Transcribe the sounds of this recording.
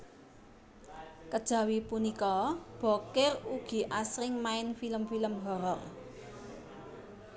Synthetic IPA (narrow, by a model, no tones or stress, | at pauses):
kəd̥ʒ̥ä̤wipunikɔb̥ɔ̤kɪruɡ̥i̤ʔasɾɪŋmaɪnfiləmfiləmɦɔɾɔr